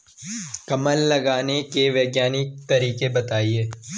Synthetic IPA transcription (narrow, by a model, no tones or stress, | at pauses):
kɐməlːɐɡaːnekeʋeːɡjaːnɪk̚t̪ɐɾiːkebɐt̪aːieː